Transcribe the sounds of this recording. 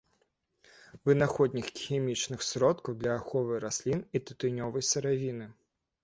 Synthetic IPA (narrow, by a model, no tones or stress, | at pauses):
vɨnaxɔd̪ʲnʲixxʲemʲit͡ʂnɨxsɾɔt̪kɐwd̪lʲɐːxɔvɨjɾasʲlʲinit̪ɨ̥t̪ɨnʲɔvɐjsɐɾavʲinɨ